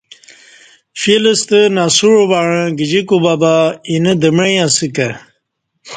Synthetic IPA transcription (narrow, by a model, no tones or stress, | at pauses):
filəst̪ənasuɻobaɻə̃ɡəd͡ʑikubabainəd̪əmɻejãsikɐ